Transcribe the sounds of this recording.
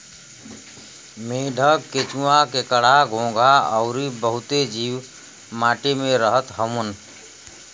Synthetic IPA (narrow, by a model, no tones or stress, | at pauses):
meːɖʱəɡket͡ʃũakekəɽ̤aɡʱõːɡʱaəʊɾibəɦʊt̪ed͡ʒiːw | maːʈemẽɾəɦət̪ɦəmən